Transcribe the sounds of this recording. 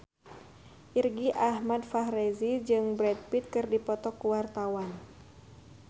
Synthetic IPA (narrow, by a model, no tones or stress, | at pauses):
ʔirɡiʔahmadfaɦɾezid͡ʒɨŋbɾɛt̪̚pit̪̚kɨrdipɔt̪ɔkːuwart̪awan